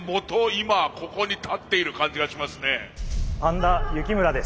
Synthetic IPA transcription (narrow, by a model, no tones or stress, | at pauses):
mo̞t̪o̞imako̞ko̞ɲ̟it̪ʰat̪ːe̞iɾɯ̟kãɲ̟d͡ʑiɡaɕimasɨne̞hãnd̪ajɯ̟kʲimɯ̟ɾad̪e̞s